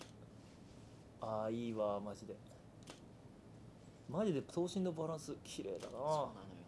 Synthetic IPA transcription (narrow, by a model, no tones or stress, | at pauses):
aːiːβamaʑid̪e̞ | maʑid̪e̞so̞ːɕĩnːo̞baɾãɰ̃sɨkʲʰiɾe̞̰ːd̪a̰naː